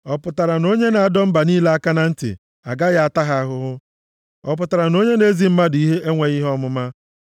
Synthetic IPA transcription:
ɔ˨pʊ˨ta˨ɾa˨no˦ɲe˦na˨a˨dɔ˦m̩˦ba˨niː˦la˦a˦ka˦na˦n̩˦tɪ̰˨ | a̰˨ɡa˦ja˦a˨ta˦ɦa˨a˦ɦʊ˦ɦʊ˦ | ɔ˨p̬ʊ˨ta˨ɾa˨no˦ɲe˦ne˦zi˨m̩˦ma˦di˦ɦe˦ʔe˦ŋʷe˨ɣi˦ɦɔ˦mʊ˦ma˦

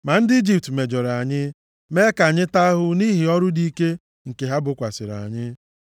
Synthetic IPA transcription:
ma˨n̩˦dɪ˦i˦d͡ʒi˨p̚tme˨d͡ʒɔ˨ɾa˨ɲɪ˦ | me˦ka˨ɲɪ˦ta˦ɦʊ˦ni˦ɦi˨ɔ˦ɾʊ˦di˦ke˦ | ŋ̩˨ke˨ɦa˦bʊ˨kʷa˨sɪ˨ɾa̰˨ɲɪ˦

